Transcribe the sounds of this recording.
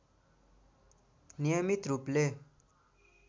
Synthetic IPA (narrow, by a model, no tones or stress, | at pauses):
nijʌmit̪ɾuple